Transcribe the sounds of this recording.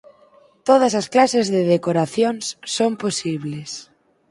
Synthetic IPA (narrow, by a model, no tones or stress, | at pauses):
t̪oð̞ɐsɐsklasezðeðekoɾaθjonsːomposiβles